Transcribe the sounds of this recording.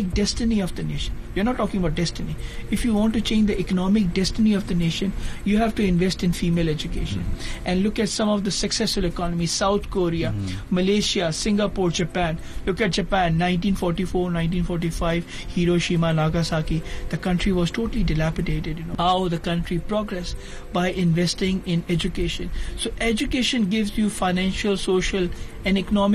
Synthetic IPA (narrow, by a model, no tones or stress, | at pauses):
ɪk̚ɖɛsʈɪniɔvd̪əneːʃə̃njiəɾnɔːʈːɔːkɪ̃ŋɡəbaʊʈ̚ɖɛstɪniɪfjuʋɔ̃ːnʈːut͡ʃẽːnd͡ʒd̪əʔɪkənɔːmɪk̚ɖɛstɪniɔvd̪əneːʃə̃njuɦæʋʈuɪ̃nʋɛsʈɪ̃nfiːmeːlɛd͡ʒukeːʃə̃nʔɛ̃nɖlʊkɛʈsʌ̃mɔʋd̪əsəksɛsfəlɪkɔːnəmizsaʊt̪ʰkoːɾiaməleːʃiasɪ̃ŋɡapuːɾd͡ʒəpæ̃ːn | lʊkɛʈ̚d͡ʒəpæ̃nːãɪ̃nʈĩːnfɔːɾʈifoːɾnãɪ̃nʈĩːnfɔːɾʈifaɪʋ | hiːɾoːʃĩːmanaːɡasaːkid̪̥əkʌ̃ɳʈɾiʋɔzʈʰoːʈəliɖɪlæpɪɖeːʈɪɖjnohaʊd̪əkʌ̃ɳʈɾipɾɔɡɾɛs | baɪʔɪ̃nʋɛsʈɪ̃ŋɪ̃nɛd͡ʒʊkeːʃə̃nsoːʔɛd͡ʒʊkeːʃə̃nɡɪʋzjufaɪnæ̃nʃəlsoːʃəl | ɛ̃nɖɛkənɔmɪ